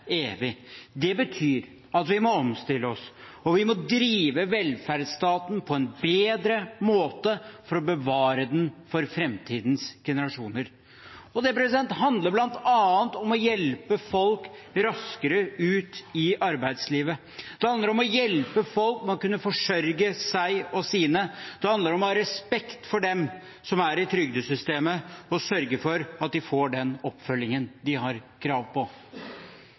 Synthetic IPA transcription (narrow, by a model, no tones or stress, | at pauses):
eːʋɪd̪ɛbət̪ʰyːɾ | ɑt̪ʋɪmɔɔmst̪ɪlːəɔs | ɔʋɪmɔd̪ɾiːʋəʋɛlfæɾd̪st̪ɑːt̪n̩pʰɔɛnbeːd̪ɾəmoːt̪əfɔɾɔbəʋɑːɾəd̪ɛnfɔɾfɾɛmt̪ʰiːd̪nsɡ̥ɛnəɾɑʂuːnəɾ | ɔd̪ɛpɾɛsɪd̪ɛnt̪ɦɑnd̪ləɾblɑnt̪ɑːənt̪ɔmɔjɛlpəfɔlkɾɑskəɾəʉːt̪ɪʔɑɾbæɪd̪sliːʋə | d̪̥ɛhɑnd̪əɾɔmɔjɛlpəfɔlkmɛnɔkʉnːəfɔʂœɾɡəsæɪɔsiːnəd̪̥ɛhɑnd̪əɾɔmɔhɑɾɛspɛkt̪fɔɖɛm | sɔmæɾɪt̪ʰɾʏɡd̪əsʏst̪eːməɔsœɾɡəfɔɾɑt̪̚d̪ɪfoːɖɛnɔpːfœlːɪŋənd̪ɪɦɑɾkʰɾɑːʋpʰɔ